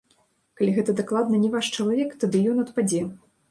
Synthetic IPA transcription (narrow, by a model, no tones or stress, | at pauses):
kalʲiɣɛt̪ɐd̪aklˠad̪nɐnʲɛvaʂt͡ʂɐlˠavʲɛkt̪ad̪ɨjɔnɐt̪pad͡zʲɛ